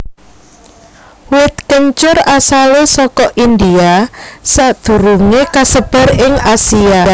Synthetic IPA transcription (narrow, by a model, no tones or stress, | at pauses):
wɪt̪̚kəɲt͡ʃʊrasalesɔkɔʔind̪iasaʔd̪̥ṳɾuŋekasəb̥a̤ɾɪŋasia